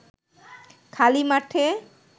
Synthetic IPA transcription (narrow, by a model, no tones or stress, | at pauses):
kʰalimaʈʰe